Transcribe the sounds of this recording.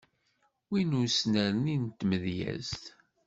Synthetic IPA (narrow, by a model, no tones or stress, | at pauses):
winusnəɾnint̪ːməðjæ̰zt̪